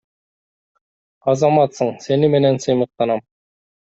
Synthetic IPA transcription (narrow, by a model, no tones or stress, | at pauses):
ɑzɑmɑt̪sɤɴsenɘmɘ̆nænsɤ̆jmɤ̆q̚t̪ɑnɑm